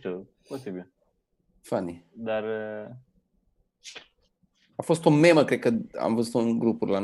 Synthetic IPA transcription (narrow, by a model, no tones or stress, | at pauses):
u | posibil | fanid̪ar | afo̞st̪ome̞məkɾed̪̚kəa̰mvəzut̪unɡɾupurlan